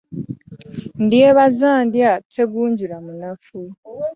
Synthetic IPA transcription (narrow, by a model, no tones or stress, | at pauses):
ndieβazaːndjatʰeɡuːɲɟuɾamunafu